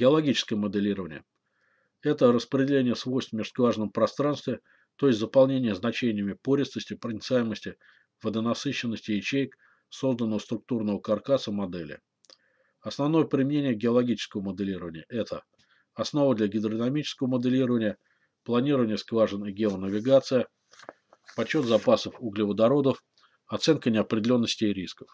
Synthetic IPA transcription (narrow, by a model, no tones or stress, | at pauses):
ɡʲɪɐlˠɐɡʲit͡ɕɪ̥skəjəməd̪ɨlʲiɾəvənʲɪjə | ɛt̪ərəspɾʲɪdʲɪlʲenʲɪjəsvo̞jst̪vmʲɪʐ̥skvaʐənəmpɾɐst̪ɾanst̪vʲɪ | t̪oɪsʲtʲzəpɐlˠnʲenʲɪjəznɐt͡ɕenʲɪjəmʲɪpoɾʲɪsnəsʲtʲɪpɾənʲɪt̪sajɪməsʲtʲɪ | vəd̪ənɐsɨɕːɪnːəsʲtʲɪɪt͡ɕejk | so̞zd̪ənːəvəst̪ɾʊk̚t̪urnəvəkarkasəmɐd̪ɛlʲɪ̰ | ɐsnɐvn̪o̞jəpɾʲɪmʲɪnʲenʲɪjəɡʲɪɐlˠɐɡʲit͡ɕɪ̥skəvəməd̪ɨlʲiɾəvənʲɪjəʔɛt̪ʰə | ɐsno̞vəd̪lʲɐɡʲɪd̪ɾənɐmʲit͡ɕɪ̥skəvəməd̪ɨlʲiɾəvənʲɪjə | plˠɐnʲiɾəvənʲɪjəskvaʐəniɡʲɪonəvʲɪɡat̪sɨjə | pɐt͡ɕːo̞t̪zɐpasəfuɡlʲɪvəd̪ɐɾo̞d̪əf | ɐt̪sɛnkənʲɪɐpɾʲɪdʲɪlʲo̞nːəsʲtʲɪɾʲiskə̥f